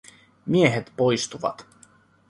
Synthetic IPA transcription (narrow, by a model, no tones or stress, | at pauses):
mieɦet̪pojst̪uʋɑ̰t̪